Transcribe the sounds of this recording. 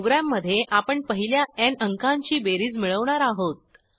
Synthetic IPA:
ɡɾamːəd̪ʱːjeʔapəɳpəɦiljaɛnəŋkaɲt͡ɕiːbeɾiːd͡zmiɭəʋɳaɾaɦot̪̚

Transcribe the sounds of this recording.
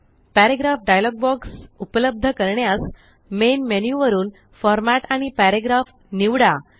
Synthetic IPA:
pæɾeɡɾafɖajlɔɡ̚bɔksupələb̚d̪ʱəkəɾɳjas | menmenjuʋəɾuːn | fɔɾmæʈaɽ̃ipæɾeɡɾaf | niʋɽa

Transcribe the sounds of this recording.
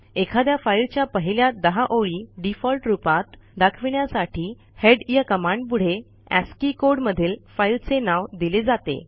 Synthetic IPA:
ekʰad̪jafailt͡ɕjapəɦiljad̪əɦaʔoɭiːɖifɔlʈɾupat̪d̪akʰʋiɳjasaʈʰiː | heɖjakəmãɳɖ̚puɽ̤e | æ̰skikoɾɽməd̪ʱiːlfailt͡senaʋd̪iled͡zat̪ḛ

